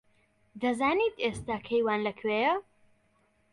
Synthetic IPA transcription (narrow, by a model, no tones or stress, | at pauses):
d̪ɐzaːniːt̪eːst̪aːkʰɐjwaːnlɐkʰwejɐ